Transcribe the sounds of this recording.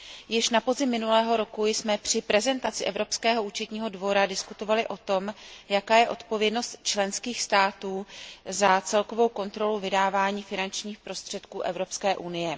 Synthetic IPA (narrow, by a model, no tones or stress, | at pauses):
jɪʃnapo̞zɪmːɪnulɛːɦo̞ɾo̞kujsmɛpr̝̥ɪpɾɛzɛnt̪at͡sɪʔɛvɾo̞pskɛːɦo̞ʔuːt͡ʃɛt̪ɲiːɦo̞dvo̞ɾadɪskut̪o̞valɪʔo̞t̪o̞mjakaːjɛʔo̞t̪po̞vjɛdno̞st̪t͡ʃlɛnskiːxst̪aːt̪uːzat͡sɛlko̞vo̞wko̞nt̪ɾo̞luvɪdaːvaːɲiːfɪnant͡ʃɲiːxpɾo̞st̪r̝̥ɛt̪kuːʔɛvɾo̞pskɛːʔunɪjɛ